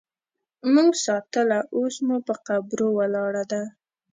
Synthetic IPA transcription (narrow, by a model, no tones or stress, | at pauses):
muŋɡsɑt̪əlaʔosmupəqabɾowəlɑɽad̪a